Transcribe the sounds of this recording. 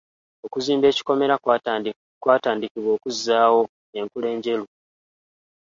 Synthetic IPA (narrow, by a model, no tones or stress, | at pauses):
o̞kuziːmbe̞ːci̥ko̞me̞ɾa | kwaːtaːndikiβwo̞ːkuzːaːwo̞ | e̞ŋkule̞ːɲɟe̞lu